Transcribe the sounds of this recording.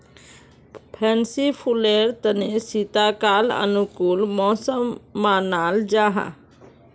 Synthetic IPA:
pʰɛːnsipʰuleːɾt̪ənesit̪aːkaːlə̰nʊkuːlmɔːsəmːaːnaːld͡ʒaːɦa̰ː

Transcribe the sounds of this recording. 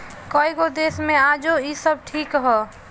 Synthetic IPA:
kɔiɡod̪eːsmẽaːd͡ʒoisəb̚ʈʰiːkɦɔ

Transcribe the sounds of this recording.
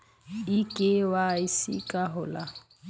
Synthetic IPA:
ikʼɪwaisḭkʼaɦʊla

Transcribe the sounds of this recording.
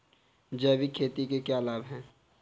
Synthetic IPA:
d͡ʒɛːbikʰeːt̪ikekjaːlaːbɦɛ̃ː

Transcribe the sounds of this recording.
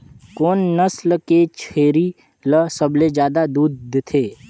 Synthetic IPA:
koːnːəslket͡ʃʰeːɾi | ləsəbled͡ʒjaːd̪ad̪uːd̪t̪ʰeː

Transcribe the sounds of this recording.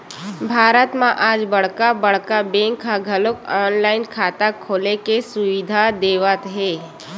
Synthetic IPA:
bʱaːɾət̪mãʔaːd͡ʒbɐɽ̤kabɐɽ̤kabẽːŋkʰːaɡʱəlʊkɔːnlaːɪnkʰaːt̪akʰoːlekesʊʋɪd̪ʱad̪eːʋət̪ɦɛː

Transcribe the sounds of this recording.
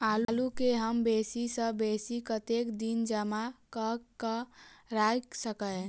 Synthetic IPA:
allukeɦəmbesisə̃besikət̪ekd̪ind͡ʒəmakəkəɾajksəkə

